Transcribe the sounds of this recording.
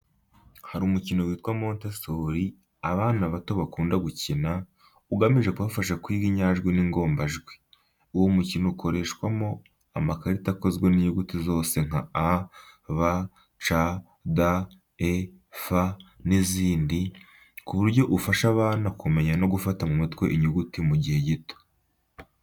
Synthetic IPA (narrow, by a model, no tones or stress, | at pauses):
haɾumucino̞wiːtkwamoːnteso̞ɾi | aβaːnaβato̞βakuːndaɡucina | uɡamiʒe̞kuβafaʃakwiːɡiɲaːʒɡwiniŋɡo̞ːmbaʒɡwe | uwomucinoukʰo̞ɾe̞ːʃwamo̞ | amakaɾitako̞zɡweniɲuɡutizo̞ːse̞ŋ̥a̰aβa | t͡ʃa | da | e | faniziːndi | kuβuɾɟo̞ʔufaʃaβaːnakume̞ɲano̞ɡufatamumitkweʔiɲuɡutimuɟihe̞ɟito̥